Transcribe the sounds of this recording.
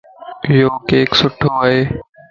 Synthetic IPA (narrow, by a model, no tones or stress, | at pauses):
ɪjoːkeːksʊʈʰːoːəɦeː